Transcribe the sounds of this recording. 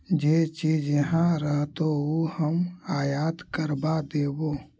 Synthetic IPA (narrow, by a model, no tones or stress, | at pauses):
d͡ʒeːt͡ʃiːd͡ʒjəɦãɾəɦt̪oohəmaːjaːt̪kəɾbad̪eːboː